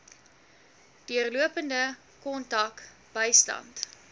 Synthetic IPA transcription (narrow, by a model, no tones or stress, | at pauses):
d̥iərluəpəndə | kɔntɐk | b̥əjstɐ̰nt